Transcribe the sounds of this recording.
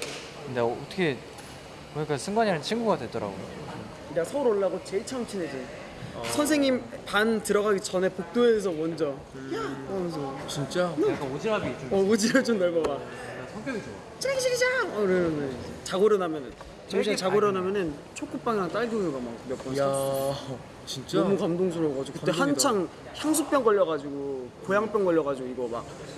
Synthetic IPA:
kɯndeːtʰʌ̥kʰe | kɯɲik͈asʰɯŋɡwaɲianɯnt͡ɕʰiŋɡuɡadwe̞dʌɾa̰ɡojo̰ | nsʰʌuɾoɭːaɡot͡ɕe̞ɭt͡ɕʰʌŋt͡ɕʰined͡ʑɯn | sʰʌnsʰe̞ŋɲimpantɯɾʌɣaɡit͡ɕʌne̞pok̚t͈oes̬ʰʌmʌnd͡ʑʌ | kʌmns̬ʰʌt͡ɕint͡ɕ͈aɯk͈aod͡ʑiɾabit͈ʰʌod͡ʑiɦabit͡ɕomnaɭmʌɡa | sʰʌŋkjʌɡid͡ʑo | t͡ɕʰɡiɕʰikid͡ʑaɾenet͡ɕaɡoɾjʌnamjʌnɯn | t͡ɕʌŋɕʰint͡ɕaɡoɾʌnamjʌnɯn | t͡ɕʰok͈up͈aŋiɾaŋt͈aɭɡjoŋɯɡamak̚bjʌp͈ʌjaʌ | t͡ɕint͡ɕ͈ʌmukamdoŋs̬ʰoɾoɡad͡ʑiɡokɯt͈ehant͡ɕʰaŋ | sʰaŋs̬ʰup͈jʌŋɡʌʎːʌɣad͡ʑiɡopojaŋp͈jʌŋɡʌʎːʌɣad͡ʑiɡoiɡʌma̰k̚

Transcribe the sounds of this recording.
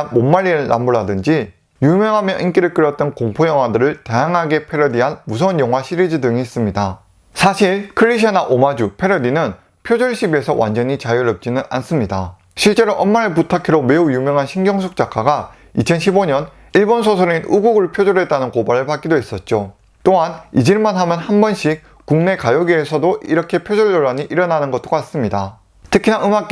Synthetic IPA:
mommaʎːiɯɭna̰mbuɭadɯnd͡ʑi | jumjʌŋɦamjʌʔink͈iɾɯɭk͈ɯɾʌt̚t͈ʌnkoŋpʰojʌŋɦwadɯɾɯɭtajaŋɦaɡe̞pʰe̞ɾʌdiɦanmusʰʌunjʌŋwaɕʰiɾid͡ʑidɯŋiːs͈ɯmɲida | sʰaɕʰiɭkʰɯɾːiɕ̬ʰanaʔomad͡ʑupʰe̞ɾʌdinɯn | pʰjod͡ʑoɭɕ͈ʰibie̞sʰʌwʔand͡ʑʌɲit͡ɕajɯɾʌp̚t͡ɕ͈inɯnʔa̰ns͈ɯmɲida | ɕʰiɭt͡ɕ͈e̞ɾoʔʌnmaɾeɭputʰakʰiɾome̞ujumjʌŋɦanɕʰiŋɡjʌŋs̬ʰok̚t͡ɕ͈ak͈ʰaɡa | it͡ɕʰʌnɕʰiboɲʌn | iɭbonsʰosʰɯɾinuɡuɡɯɭpʰjod͡ʑoɾe̞t͈anɯnkobaɾɯɭpak͈idois͈ʌt̚t͡ɕ͈o | t͈oɦanid͡ʑiɭmanɦamjʌnhanbʌnɕʰik̚ | kuŋne̞kajʌɡiesʰʌdoʔiɾʌkʰe̞pʰjod͡ʑʌɭd͡ʑoɭːaɲiʔiɾʌnanɯnɡʌt͈̚okas͈ɯmɲida | tʰɯkʰinaɯŋak͈̚

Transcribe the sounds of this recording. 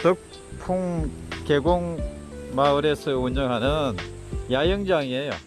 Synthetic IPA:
tɯk̚ | pʰuŋke̞ɡoŋmaɯɾesʰɯuɲʌŋɦanɯn | jajɯŋd͡ʑaŋiejo̰

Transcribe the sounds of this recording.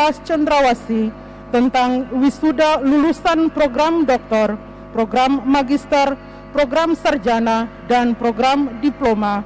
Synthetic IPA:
ast͡ʃɔnd̪ɾawasi | t̪ənt̪aŋwisudalulusanpɾoɡɾamdɔk̚t̪ɔr | pɾoɡɾamːaɡist̪ər | pɾoɡɾamsərd͡ʒanadanpɾoɡɾamdiploma

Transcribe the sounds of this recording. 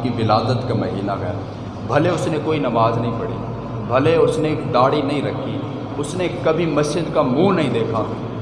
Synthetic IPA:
kiʋɪlaːd̪ət̪kamɐɦḭːnaɡɛ̰ː | bʱɐleʊsnekoːinɐmaːznɐɦĩpɐɽḭː | bʱɐleʊsnekd̪aːɽinɐɦĩɾɐkʰːi | ʊsnekɐbʱimɐʃɪd̪kamũːnɐɦĩd̪eːkʰa

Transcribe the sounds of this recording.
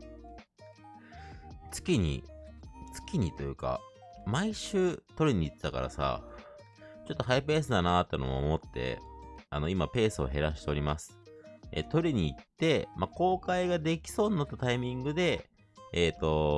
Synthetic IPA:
t͡sɨ̥kʲiɲ̟ḭ | t͡sɨ̥kʲiɲ̟it̪o̞jɯ̟ːka̰maiɕɨːt̪o̞ɾʲiɲ̟iːt̪ːet̪aka̰ɾa̰sa̰ | t͡ɕo̞t̪ːoɦajp̬e̞ːs̬ɨd̪anat̪ːeno̰moo̰mo̞t̪ːe̞̰ano̞imape̞ːsɨo̞̰ɦe̞ɾaɕi̥t̪e̞o̞ɾʲimasɨ̥ḛt̪o̞ɾʲiɲ̟iːt̪ːe̞mako̞ːkaiɡad̪e̞kʲi̥so̞ːɲinat̪ːat̪aimʲĩŋɡɯ̟d̪e̞ː | t̪o̞

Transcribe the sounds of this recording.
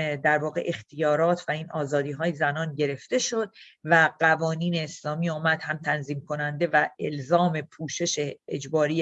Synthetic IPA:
d̪æɾvɒːɣe̞̰ʔext̪ʰijɒːɾɒːt̪ʰvæiːnʔɒːzɒːd̪iːɦɒːjezænɒːnɟe̞ɾe̞ft̪e̞ʃo̞d̪̚væɢ̥ævɒːniːneːslɒːmiːɒːmæd̪̥hæmt̪ʰænziːmkʰo̞nænd̪e̞væelzɒːme̞pʰuːʃe̞ʃeːd͡ʒbɒːɾiː

